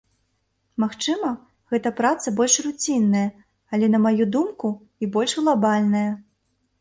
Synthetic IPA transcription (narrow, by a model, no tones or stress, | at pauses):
maxt͡ʂɨmɐ | ɣɛt̪ɐpɾat̪sɐbɔlʲʂrut͡sʲinːɐjɐ | ɐlʲɛnɐmajud̪umku | ibɔlʲʂɣlˠabalʲnɐjɐ